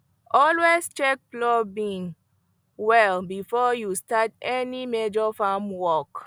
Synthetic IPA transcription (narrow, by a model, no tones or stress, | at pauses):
ʔɔlwest͡ʃɛk̚plɔbĩŋ | wɛlbifɔjustatɛnimed͡ʒɔfamwɔk